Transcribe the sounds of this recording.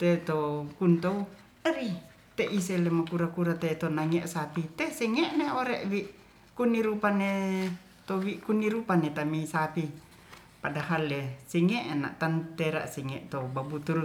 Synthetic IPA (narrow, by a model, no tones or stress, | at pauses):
t̪et̪okunt̪ou | əɾi | t̪eʔiselemakuɾakuɾat̪et̪onaŋeʔsapit̪esɛŋɛʔneoɾɛʔwiʔ | kuniɾupane | t̪owiʔkuniɾupanet̪amisapi | padaɦalesɛŋeʔna̰ʔt̪ant̪ɛɾa̰ʔsɛŋɛʔt̪obabut̪uɾu